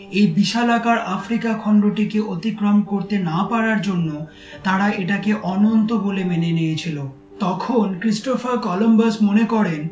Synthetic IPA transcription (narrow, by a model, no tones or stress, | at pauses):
ejbiʃalakaɾʔafɾikakʰɔnɖɾoʈikeʔot̪ikɾomkoɾt̪enapaɾaɾd͡ʑonːo | t̪aɾaʔeʈakeʔɔnont̪obolemenenejet͡ɕʰilo | t̪ɔkʰonkɾisʈofaɾkɔlombasmonekɔɾen